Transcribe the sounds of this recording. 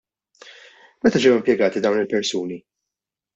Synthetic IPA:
mɛt̪ɐd͡ʒɛwɪmpjɛɡɐːt̪id̪ɐwnɪlpɛɾsuːni

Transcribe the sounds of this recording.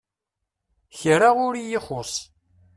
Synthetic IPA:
çɾaʁʊɾijɪχʊsˤ

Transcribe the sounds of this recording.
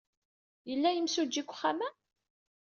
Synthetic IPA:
jəlːæjəmsud͡ʒːikʷːχːamæ

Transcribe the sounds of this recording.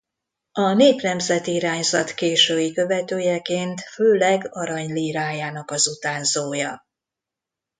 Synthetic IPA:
ɒneːpnɛmzɛt̪iiɾaːɲzɒt̪keːʃøːjikø̞vɛt̪øːjɛkeːnt̪føːlɛɡɒɾɒɲliːɾaːjaːnɒkɒzut̪aːnzoːjɒ

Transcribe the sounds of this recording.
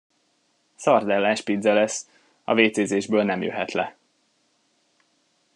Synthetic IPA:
sɒrd̪ɛlːaːʃpid̪zɛlɛs | ɒ̰veːt̪seːzeːʒbøːlnɛmjø̰ɦɛt̪lɛ

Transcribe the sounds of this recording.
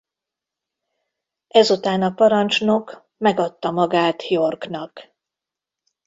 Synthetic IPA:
ɛzut̪aːnɒpɒɾɒnt͡ʃno̞k | mɛɡɒt̪ːɒmɒɡaːt̪hijorknɒk

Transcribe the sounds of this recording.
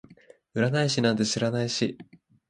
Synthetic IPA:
ɯ̟ɾanaiɕinãnt̪e̞ɕiɾanaiɕi

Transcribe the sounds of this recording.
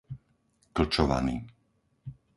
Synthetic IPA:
kl̩t͡ʃɔʋa̰niː

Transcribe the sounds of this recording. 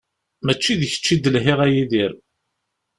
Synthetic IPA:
mæt͡ʃːiðəçə̥t͡ʃːid̪əlɦɪʁæjiðiɾ

